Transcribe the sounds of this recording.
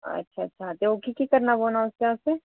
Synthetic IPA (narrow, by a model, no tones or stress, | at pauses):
ɐ̰tːʃʰaɐtːʃʰat̪eokʰikikɐɾnaboːnaʊskãse